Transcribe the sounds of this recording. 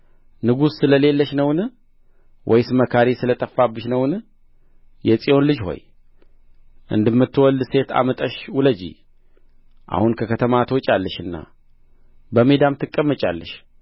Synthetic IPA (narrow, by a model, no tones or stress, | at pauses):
nɨɡusːɨləle̞lːəʃnəwn | wʔɔjsɨməkʰaɾisɨlət̪ʼəfːabːɨʃnəwn | jɛsʼijo̞nlɨd͡ʒho̞̰j | ʔɨ̰nd̪ɨmːɨt̪ːɨwɔld̪se̞t̪ʰa̰mət̪ʼəʃwʊləd͡ʒḭ | ʔa̰hunkʰəkʰət̪ʰəmat̪ʰwot͡ʃʼalːəʃɨnːa̰ | bəmed̪amt̪ʰɨkʼːəmːət͡ʃʼa̰lːəʃ